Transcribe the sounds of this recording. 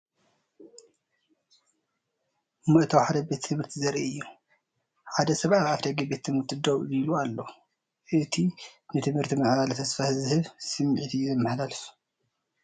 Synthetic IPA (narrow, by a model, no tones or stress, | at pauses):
mɨʔt̪ʰɐwħaɾɐbet̪ːʰɨmhɨɾt̪ʰizɐɾʔḭɨjːu | ħad̪ɐsɐβʔajʕafd̪ɐɡɐbet̪ʰːɨmɨɾt̪ʰid̪owilualːo̞ | ʔɨt̪ʰinɨt̪ʰɨmhɨɾt̪ʰimɐʕβalt̪ʰɐsfahzɨhɨβsɨmːʕit̪ʰizɐmːɐħlalɨf